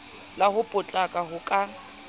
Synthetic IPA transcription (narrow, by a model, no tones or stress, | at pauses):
lahʊpʼʊt͡ɬʼakʼaɦʊkʼa